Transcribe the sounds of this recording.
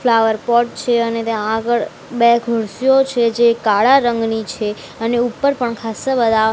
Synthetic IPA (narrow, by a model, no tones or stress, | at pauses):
flaʋəɾpɔʈ̚t͡ʃʰeənet̪eãɡəɭ | bɛɡʱəɾsijot͡ʃʰed͡ʒekaɭaɾəŋɡnit͡ʃʰe | əneupːəɾpəɳkʰasəbəd̪ʱa